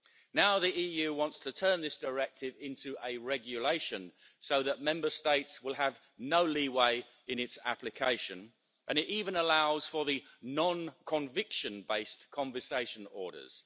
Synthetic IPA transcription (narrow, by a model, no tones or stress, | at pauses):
naʊðiiːjʉwɑ̃ntstʰɨtʰɜ̃˞nðɪsd̥ə˞ɛk̚tʰɪvɪ̃ntʰʉʔəɹɛɡjəleɪʃɨ̃n | soʊðəʔ̚mɛ̃mbə˞steɪtswɪlˠəv | noʊliweɪ | ɨ̃nɨtsæ̰plɨkʰeɪʃɨ̃n | ʔɨ̃ñɨɾivə̃nəlaʊz̥fə˞ðɨnɑ̃nkʰə̃ɱvɪkʃɨ̃nbeɪskʰɑ̃ɱvəseɪʃə̃nɔ̰ːɹɾə̰˞z̥